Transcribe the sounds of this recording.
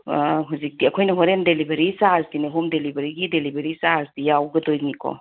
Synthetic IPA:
ɦuzik̚diɐkʰojnɐɦoɾemdelibeɾisasdineɦumdelibɐɾiɡidelibeɾisasdijawɡɐdojnikʰo̰

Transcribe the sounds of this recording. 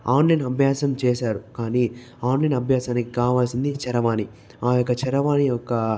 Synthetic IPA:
aːnlɐjnɐbʱjaːsɐmt͡ʃɛːʃaːɾukaːni | aːnlɐjnɐbʱjaːsaːnikikaːʋaːlsind̪it͡ʃɛɾɐʋaːni | aːjɔkːɐt͡ʃɛɾɐʋaːniɔkːɐ

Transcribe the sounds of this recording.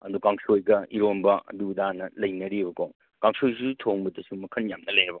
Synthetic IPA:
ɐdukaŋsojɡɐiɾombɐɐ̰duudanɐlɐjnɐɾibɐkoŋ | kaŋsojsutʰoŋbɐdɐsumɐkʰɐnjamnɐlɐjɐbɐ

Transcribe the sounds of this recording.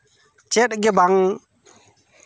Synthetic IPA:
t͡ʃɛt̚ɡɛbaŋ

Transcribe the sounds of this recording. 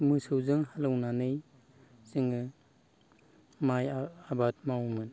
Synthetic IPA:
mɯsɯwzɯŋhalɯwnanɯj | zɯŋɯ | majabat̚mawmɯn

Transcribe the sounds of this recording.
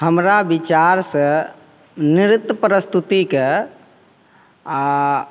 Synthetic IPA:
həmɾabit͡ʃaɾsə | nɪɾɪt̪ːəpəɾəst̪ʰut̪ikə

